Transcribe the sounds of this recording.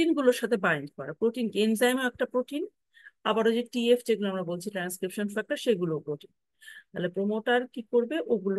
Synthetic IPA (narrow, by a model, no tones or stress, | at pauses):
inɡuloɾʃat̪ʰebajenkɔɾapɾoʈinkenzajmoɛk̚ʈapɾoʈin | abaɾod͡ʑeʈiefd͡ʑeɡuloamɾabolt͡ɕʰiʈɾanskɾipʃonfak̚ʈaɾʃeɡulopɾoʈin | t̪alepɾomoʈaɾkikoɾbeʔoɡulo